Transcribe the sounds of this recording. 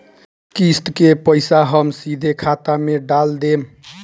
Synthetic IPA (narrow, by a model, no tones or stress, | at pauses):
kisʈkepəjsaɦəmsid̪ʱekʰat̪ameɖald̪em